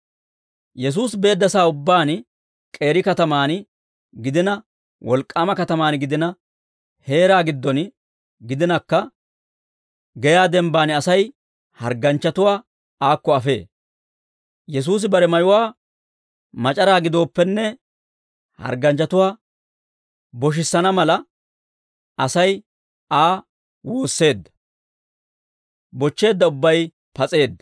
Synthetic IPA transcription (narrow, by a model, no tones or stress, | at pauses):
jɛs̬uːsbe̞ːd̪ːɐsaːʊbːaːn | kʼe̞ːɾɪkɐt̪ɐmaːn | ɡɪd̪ɪnɐ | wʔɔlkʼːaːmɐkɐt̪ɐmaːnɡɪd̪ɪnɐ | he̞ːɾaːɡɪd̪ːɔn | ɡɪd̪ɪnɐkːɐ | ɡɛjaːd̪ɛmbaːnɐsɐj | hɐ̰ɾɡɐnt͡ʃːɐt̪ʊwaː | aːkːɔɐfe̞̰ː | jɛs̬uːs̬ɪbɐɾɛmɐjʊwaː | mɐt͡ʃʼɐɾaːɡɪd̪o̞ːpːɛnːɛ | hɐ̰ɾɡɐnt͡ʃːɐt̪ʊwaː | bɔʃ̬ɪsːɐnɐmɐlɐ | ɐsɐj | aː | woːsːe̞ːd̪ːɐ̥ | bɔt͡ʃːe̞ːd̪ːɐʊbːɐj | pɐt͡sʼe̞ːd̪ːɐ